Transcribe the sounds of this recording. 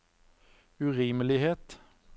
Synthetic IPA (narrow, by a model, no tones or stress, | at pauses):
ʉʁiːməlɪheːt̪